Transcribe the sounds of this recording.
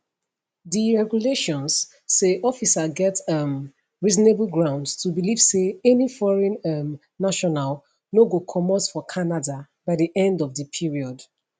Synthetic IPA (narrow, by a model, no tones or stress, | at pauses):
ðiɹɛɡuleʃɔ̃nsː | eʔɔfisaɡɛtʌm | ɹizɔneblɡɹãʊ̃ndstʰubiliv̥seɛnifɔɹɛ̃nʌmː | aʃɔnal | noɡokʰɔmɔtfɔkʰanada | baɪdiʔɛ̃ndɔvðəpʰiɹiɔd